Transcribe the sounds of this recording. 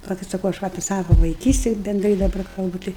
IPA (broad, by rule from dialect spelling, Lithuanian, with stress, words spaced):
pɐˈlˠɐʊkʲɪt sɐˈkɐʊ ɐʃ ˈʋɐ ɐpʲiɛ ˈsɑːʋoː ʋɐɪˈkʲiːsʲtʲɪ bʲɛndˈrɐɪ dɐˈbɐr kɐlˠˈbʊ ˈtɐɪ